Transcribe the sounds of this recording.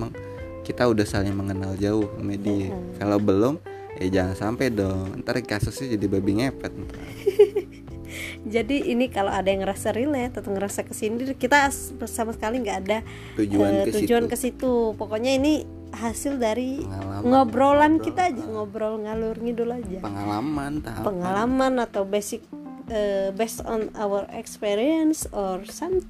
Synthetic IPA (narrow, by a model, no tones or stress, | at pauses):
aŋ | kit̪audahsalɪŋməŋənald͡ʒaʊhmedikalabəlʊm | ja̰d͡ʒaŋansampajdɔŋə̰nt̪aɾkasʊsɛd͡ʒadibabiŋɛpɛt̪̚nt̪a | d͡ʒadiːnikaloadajaŋəɾasaɾilɛt̪ət̪ɔŋəɾasakəsindɪrkit̪a | əsamasə̥kaliŋɡaːda | ud͡ʒəud͡ʒuankəsit̪upɔkɔɲaini | ɦasɪldaɾiŋɔbɾolankit̪aːd͡ʒaŋɔbɾɔlŋalurŋidulad͡ʒapəŋalamant̪pəŋalamanat̪awbesɪk̚ | əbɛst̪ɔ̰na̰wəɾɛ̰kspiɾiənsɔrsamt̪i